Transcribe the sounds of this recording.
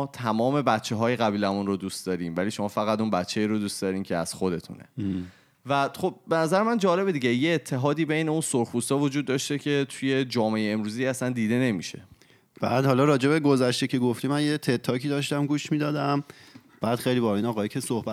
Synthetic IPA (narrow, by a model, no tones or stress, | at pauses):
t̪ʰæmɒːme̞bæt̪t͡ʃʰːe̞ɦɒːjeɣæbiːlæmunrod̪ust̪d̪ɒɾiːmvæliːʃo̞mɒːfæɣæt̪unbæt̪t͡ʃʰːeiːɾod̪uːst̪d̪ɒːɾiːmcʰe̞æ̰z̥xo̞d̪e̞t̪ʰṵnḛ | væxob̚benæzæɾemænd͡ʒɒːle̞bed̪iɟe̞jeːt̪ʰːe̞ɦɒːd̪iːbe̞jne̞unsoɾxust̪ɒːvod͡ʒuːd̪ːɒːʃt̪e̞cʰe̞t̪ʰuje̞d͡ʒɒːmeejeːmɾuːziːæsænd̪iːd̪e̞ne̞miʃe̞̰ | b̥æːd̪hɒlɒɾɒːd͡ʒe̞beɡozæʃt̪ecʰe̞ɡoft̪imænjet̪ʰet̪ʰːɒːkʰiːd̪ɒːʃt̪æmɡuːʃmid̪ɒːd̪æm | b̥æːd̪̥xejlibɒinɒːɣɒːjikʰesohbæ